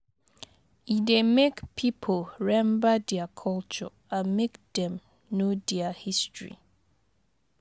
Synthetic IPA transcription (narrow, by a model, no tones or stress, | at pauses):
idemekpʰipʰolɹɛ̃mbadiakʰɔlt͡ʃɔ̰ | amekd̥ɛ̃m | nodiahistɹḭ